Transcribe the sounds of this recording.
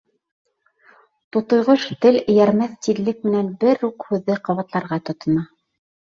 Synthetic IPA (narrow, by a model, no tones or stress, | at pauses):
t̪ŏt̪ŏjʁɤʃt̪ɘlɘ̆jæɾmæθt̪iðlɘk̚mɘ̆nænbɘɾuqhʉðːɘqɑ̆βɑt̪lˠɑɾʁɑt̪ŏt̪ŏnɑ